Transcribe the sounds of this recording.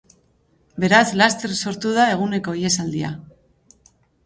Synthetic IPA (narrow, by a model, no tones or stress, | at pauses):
be̞ɾazlast̪e̞rso̞ɾt̪uð̞ae̞ɣ̞une̞ko̞ie̞sald̪ia̰